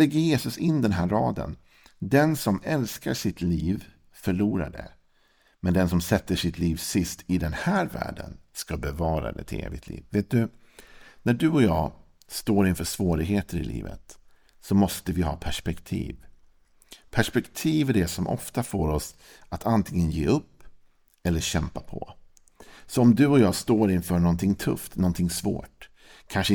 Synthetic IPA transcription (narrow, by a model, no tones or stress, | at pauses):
ɛɡːəjeːsɵsɪnːd̪ɛnɦæːɾɾɑːd̪ə̰n | d̪ɛnsɔmɛlska̰ʂɪt̪liːv | fœɭuːɾa̰ɖɛ̰ | mɛnd̪ɛnsɔmsɛt̪ːəʂɪt̪liːvsɪst̪ɪd̪ɛnhæːɾvæ̰ːɖə̰nskabɛvɑːɾa̰d̪ɛ̰t̪ʰɪḛːvɪ̰t̪ʰlḭːvveːt̪̚d̪ɵ | næɖɵɔjɑː | st̪oːɾɪnfœʂv̥oːɾɪɡɦeːt̪ʰəɾɪ̰lḭːvə̰t̪ | sɔmɔst̪əvɪɦɑ̰ːpʰæʂpɛkt̪ʰḭːv | pʰæʂpɛkt̪ʰiːvæɖɛsɔmʔɔ̰ft̪afoːɾɔs | at̪ʰant̪ʰɪŋːənjḛːɵpː | ɛlːəɕɛmpapʰɔ̰ | sɔɔmd̪ɵɔjɑːst̪oːɾɪnfœːɳɔnt̪ʰɪŋt̪ʰɵ̰ft̪nɔnt̪ʰɪŋsvo̰ːʈ | kʰanʂ